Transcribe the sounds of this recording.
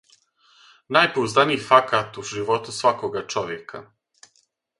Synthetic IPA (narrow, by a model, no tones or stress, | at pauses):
naːjpuuzaniːfakat̪uʒiʋo̞t̪usʋakoɡat͡ʃo̞ʋjeka